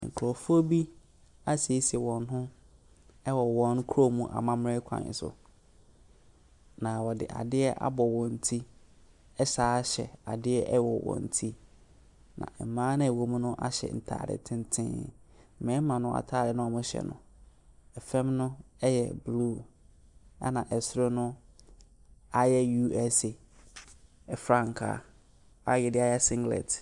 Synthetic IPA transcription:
ŋ̩̰˨kʰɾɔ˨fu˦o˦bi˦ | a˦si˨e˦si˨ɛ˨wɔ̃˨nɦʊ̃˦ | ɛ˦wɔ˨wɔ̃˨nkʰo˦mũ˦ʔa̰˨mã˦m˦ɾɪ˦kʷʰã̰˨ɪ̰˨sʊ̰˨ | nã˨wɔ˨dɪ̰˨ʔa̰˨dɪ˦ɛ˦ʔa̰˦bɔ˨wɔ̃˨n̩˨tʰi˦ | ɛ˦saː˦ɕɛ̰˨a˨dɪ˦ɛ˦ʔwɔ˨wɔ̰̃˨n̩˨tʰi˦ | nã̰˨m˨mãː˦nã˦˨wo˨m̃˦nʊ̃˦ʔa˦ɕɛ̰˨n̩˨tʰa̰ː˨ɾɪ̰˨tʰɪ̃˦n˦tʰɪ̰̃˦˨ | mɛ̃˨˦mã˨nʊ̃˦ʔa̰˨tʰaː˦˨ɾɪ˨nʊ̃˦a˨mʊ̃˦ɕɛ̰˨nʊ̰̃˨ | ɛ˨fɛ̃˦mnʊ̃˦ɛ˦jɛ̰˨blu˦˨ | a˦nã˨ʔɛ˨sɾo˦nʊ̃˦ | a˨jɛ˦ju˦ɛ˦se˨ | fɾã˦˨ŋkʰa̰˨ | a˦jɛ˨dɪ˦a˦jɛ˦sɪ̃˦ŋɡlɛ̰˨t

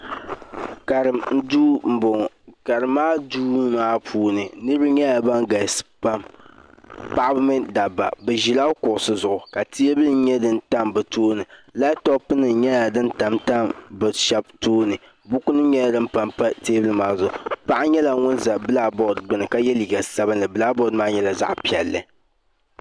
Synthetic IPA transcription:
ka˨ɾɨ˨mn̩˦duː˦m̩˨bʊ˨ŋ˨ | ka˨ɾɨ˨mːaː˦duː˦maː˦pʰuː˦nɨ˨nɨ˦ɾbɨ˦ɲɛ˦ja˨ba˦ŋɡa˨spa˦m | pa˦ʔa˦bɨ˦mɨ˦da˨ba̰˨bɛ˨ʒi˨la˦kʊ˨ʔʊ˨sɨ˦zʊ˨ʔʊ˨ka˨tʰi˦e˦bɨ˦lɨ˦ɲɛ˦dɨ˦n˦ta˦mbɨ˨toː˦nɨ˨la˦tɔ˦pːɨ˦nɨ˨ɲɛ˦ja˨dɨ˦nta˨mta˦mbɨ˨ʃɛ˦b̚toː˦nɨ˨ | bʊ˦ku˦nɨ˦ɲɛ˦la˨dɨ˦m̩˦pa˨mpa˦teː˦bɨ˦lɨ˦maː˦zʊ˨ʊ˨pa˦ʔɲɛ˦la˨ŋʊ˦nza˨bɨ˦la˦bɔ˦dɡ͡bɨ˦nɨ˨ka˦jɛ˦li˨ɡa˨sa˦bɨ˦nːɨ˨bɨ˨la˦bɔ˦dmaː˦ɲɛ˦la˨za̰˦ʔpi˨ɛ˨lːɨ̰˨

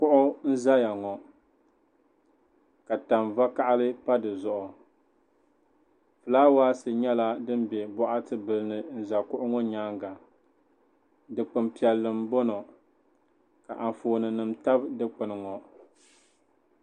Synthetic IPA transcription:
kʊ˦ʔʊ˦n̩˦za˦ja˨ŋɔ˨ | ka˨ta˨mva˦ka˦ʔa˦lɨ˦pa˦dɨ˨zʊ˨ʔʊ˨ | fɨ˨laː˦waː˦sɨ˨ɲɛ˦la˦dɨ˦m˦bɛ˨bɔ˦ʔa˦tɨ˦bɨ˨lɨ˦nɨ˨n̩˦za˨kʊ˦ʔʊ˦ŋɔ˦ɲaː˦ŋɡa˨ | dɨ˨k͡pɨ˨mpi˨ɛ˨lːɨ˨mbɔ˦nɔ˨ | ka˨ʔa˨ɱ˨foː˨nɨ˨nɨ˨mta˦bdɨ˦k͡pɨ˨nɨ˨ŋɔ˨

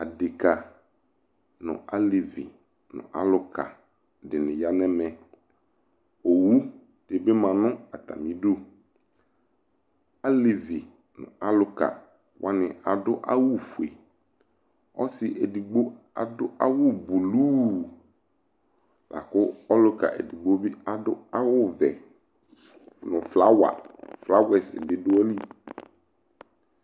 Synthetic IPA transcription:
a˨dɪ˨ka˨ | nʊ̰̃˨a˦li˨vḭ˨ | nʊ̰̃˨ʔa̰˨lʊ˨ka̰˨ | dɪ˨nɪ̃˨ja˦nɛ˦mɛ˨ | o˨wu˦ | d̥e˨bɪ˦mã˨nʊ̃˦a˨t̪a̰˨mĩ˦do˦ | a˦li˨vi˨ | nʊ̰̃˨ʔa˦lʊ˦ka̰˨ | wʔa˦nɪ̰̃˨a˨dʊ˦ʔa̰˦wu˦fu˨e˨ | ɔ̰˦sɪ˨ʔe˨di˨ɡ͡bo˦ | a̰˨dʊ˦ʔa˦wʊ˦bu˨lu˦ | la̰˨kʊ˦ɔ˦lʊ˦ka̰˨ʔḛ˨di˨ɡ͡bo˦bɪ˦a˨dʊ˦a˦wʊ˦vɛ̰˨ | nʊ̃˨fla˦wa̰˨fla˦wɛ˨sɪ̰˨dɪ˦dʊ˦ɔ˦li˦

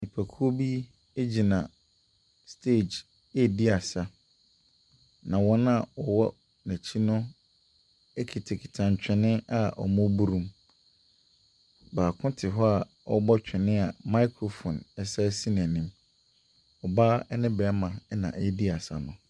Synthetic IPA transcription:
nĩ˨pʰæ˨kʰu˦o˦bi˦ | e˦d͡ʑi˨nã˨ | stʰe˦˨d͡ʑ | e˦˨di˦a˨sa˦ | nã˨wɔ̃˦n˦a˨ɔ˨wɔ˦ | næ̃˨t͡ɕʰi˦nʊ̃˦ | e˦kʰi˨tʰe˨kʰi̥˨tʰã˨ɲ˨t͡ɕᶣɪ˨nɪ̃˦a˨ʔɔ̰˨mʊ̃˦bu˦ɾũ˦m | baː˨kʰʊ̃˦tʰɪ˨ɦɔ˦a˨ | ɔ˦bɔ˦t͡ɕᶣɪ̃˨nɪ̃˦a˨ma˦kʰɾo˨fɔ̃˨nɛ˨sa˦si˦n˨ɛ˨nĩ˦m | ɔ˨baː˦ɛ˦nɪ̃˦bɛ˨˦mã˨ɛ˦nã̰˨ʔe˦di˦a˨sa̰˨nʊ̃˨

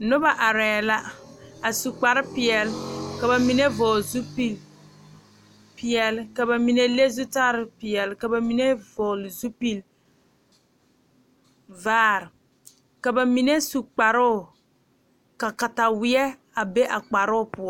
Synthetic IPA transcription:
nʊ˦ba˨ʔa˨ɾɛː˨la˦a˨su˨k͡pa˨ɾɪ˦pɪ˨ɛ˨lka˨ba˨mi˨ne˦vɔː˨lzu˦pi˦l | pɪ˨ɛ˨lka˨ba˨mi˨ne˦le˦zu˦taː˦ɾɪ˨pɪ˨ɛ˨lɪ˨ka˨ba˨mi˨ne˦vɔː˨lzu˦pi˦l | vaː˦˨ɾɨ˨ | ka˨ba˨mi˨ne˦su˨k͡pa˨ɾʊ˦˨ | ka˨ka˨ta˨wɪ˦ɛ˦ | a˨be˦ʔa˨k͡pa˨ɾʊ˦ʊ˦˨pʊ˨ɔ˦

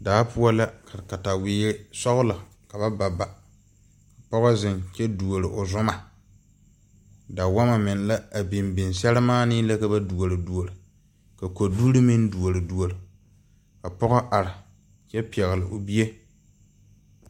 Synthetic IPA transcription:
daː˨˦pʰu˦a˦la˦ka˨ka˨ta˨wɪː˨˦sɔ˦ɣʊ˦la˨ | ka˨ba˦ba˨ba˨ | ka˨pɔ˦ɣɔ˦zɪ˨nt͡ʃɛ˦du˨o˨ɾɪ˨ʔo˨zʊ˦ma˨ | da˨wa˦ma˨mɪ˨n˨la˦a˨bi˨mbɪ˨nsɛ˦lɨ˦maː˦nɪ˦la˦ka˦ba˦du˨o˨lɨ˨du˨o˨ɾɨ˨ | ka˨ko˨du˦ɾɨ˦mɪ˦n˦du˨o˨ɾɨ˨du˨o˨lɨ˨ | ka˨pɔ˦ɣɔ˦ʔa˨ɾɪ˨ | t͡ʃɛ˦pi˨ɛ˨ɣɪ˨lɨ˨ʔo˨bi˦je˦

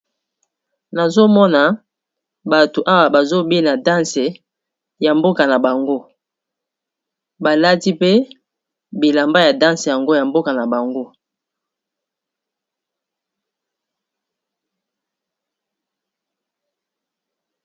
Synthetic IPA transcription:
na˨zo˦mɔ˦na˨ | ba˨to˨ʔa˦wa˨ba˨zo˦be˦na˨dã˦nse˨ | ja˨mbo˦ka˨na˨ba˨ŋɡo˦ | ba˨la˦ti˦pe˦ | bi˨la˨mba˦ja˨dã˦nse˨ja˨ŋɡo˦ja˨mbo˦ka˨na˨ba˨ŋɡo˦

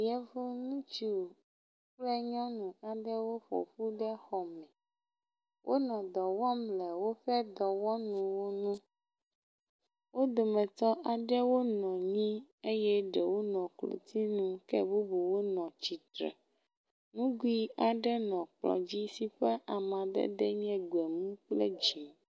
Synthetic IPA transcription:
jɛ˦vo˦nũ˦t͡ʃi˨˦˨ | ɸlɛ˦ɲɔ̃˦nũ˨a˨ɖɛ˦wo˦ɸɔ̰˨ɸu˦ɖɛ˦xɔ˨mɛ̃˨ | wʔo˦nɔ̃˨d̪ɔ˨wɔ˦mlɛ˨wo˦ɸɛ˦d̪ɔ˨wɔ˦nũ˨wo˦nũ˦ | wʔo˦d̪o˨mɛ̃˨t̪ɔ˦ʔa˨ɖɛ˦wo˦nɔ̃˨ɲĩ˦e˦jɛ˦ɖɛ˨wo˦nɔ̃˨klo̰˨t̪ʰi˦nũ˦kɛ˦bu˦bu˨wo˦nɔ̃˨t͡ɕi˨t̪ɾɛ̰˨ | nũ˦ɡu˦i˦a˨ɖɛ˦nɔ̃˨k͡plɔ̰̃˨d͡ʑi˦si˦ɸɛ˦ʔa˨mã˨d̪ɛ̰˦d̪ɛ˦ɲ˦ɛ̃˦ɡu˨ɛ˨mũ˦k͡plḛ˦d͡ʑi˨

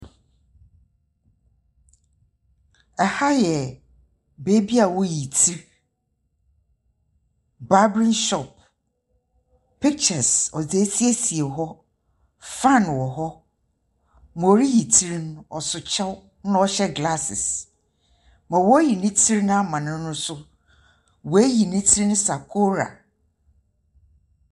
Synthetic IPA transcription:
ɛ˨ha˦jɛ˨ | beː˦bi˦a˨wɔ˦ji˨tʰi˦ɾ | ba˦bɾɪ̃˦nʃɔ˨p̚ | pʰi˦k̚t͡ʃɛ˨sɔ˨d͡ze˨e˦si˦e˦si˨e˨ɦɔ˦ | fã˦˨n˨wɔ˨ɦɔ˦ | m˨o˨ɾi˦ji˨tʰi˦ɾnʊ̃˦ɔ˨sʊ˨t͡ɕʰɛ˦w | nʊ̃˦ɔ˦ɕɛ˦ɡla˦sɪ̰˨s | mã˨wɔ˦ji˨nĩ˦tʰi˦ɾi˦nʊ̃˦a˦mã˨nʊ̃˦ʊ̃˦sʊ˦ | wɔ˨e˦ji˨nɪ̃˦tʰi˦ɾi˦nʊ̃˦sa˨kʰo˦ɾa̰˨

